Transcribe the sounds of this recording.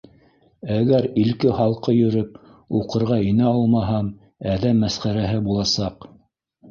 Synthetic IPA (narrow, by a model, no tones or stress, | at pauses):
æɡæɾilkɘχɑlˠqɤjɵ̆ɾɵp̚ | uqɤ̆ɾʁɑinɘɑlˠmɑɦɑm | æðæmːæsχæɾæɦɘbulˠɑsɑq